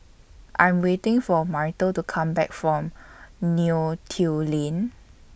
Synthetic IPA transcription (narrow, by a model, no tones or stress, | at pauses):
ʔãjmwetɪ̃ŋfɔmaɹtətukʰãmbɛkfɹɔ̃mnutʰilẽn